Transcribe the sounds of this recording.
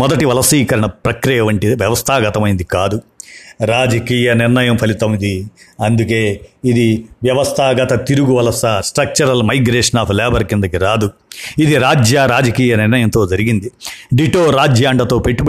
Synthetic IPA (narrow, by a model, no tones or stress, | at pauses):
mɔd̪ɐʈiʋɐlɐsiːkɐɾɐɳɐpɾɐkɾijɐʋɐɳʈiʋjɐʋɐst̪ʰaːɡɐt̪ɐmɐjind̪ikaːd̪uɾaːd͡ʒɐkiːjɐnɪɾnɐjɐmpʰɐlit̪ɐmid̪iɐnd̪uk̬e̞ːid̪iʋjɐʋɐst̪ʰaːɡɐt̪ɐt̪iɾuɡuʋɐlɐsɐsʈɾɐk̚t͡ʃɐɾɐlmɐjɡɾeːʂɐnaːpʰlɛːbɐɾkind̪ɐkiɾaːd̪u | id̪iɾaːd͡ʒjaːɾaːd͡ʒɐkiːjɐnɪɾnɐjɐnt̪o̞ːd͡ʒɐɾiɡind̪iɖiʈoːɾaːd͡ʒjaːɳɖɐt̪o̞ːpe̞ʈːip